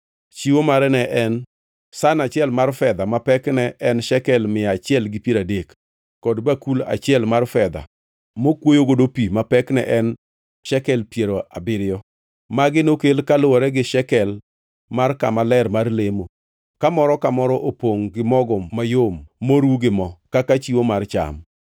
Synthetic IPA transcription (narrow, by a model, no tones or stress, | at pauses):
t͡ʃiwomaɾɛnɛʔɛn | sanat͡ʃɪɛlmarfɛd̪amapɛknɛʔɛnʃɛkɛlmɪjat͡ʃɪɛlɡɪpiɾadekː | ɔdbakula̰t͡ʃɪɛlmarfɛd̪a̰ | mokwojoɡodopimapɛknɛ̰ʔɛn | ʃɛkɛlpjeɾoa̰bɪɾɪjɔ | maɡɪnokelkalʊwɔɾɛɡɪʃɛkɛl | markamalɛɾmarlemo | kamɔɾɔkamɔɾɔʔopoŋɡɪmɔɡɔːajommoɾuɡɪmɔkakat͡ʃiwomart͡ʃa̰m